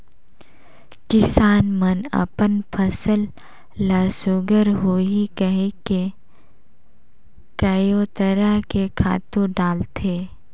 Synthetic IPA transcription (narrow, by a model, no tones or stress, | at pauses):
kɪsaːnmənə̰pənpʰəsəlː | aːsʊɡəɾɦoikəɦeke | kəjoːt̪əɾakekʰa̰ːt̪ũɖaːlt̪ʰeː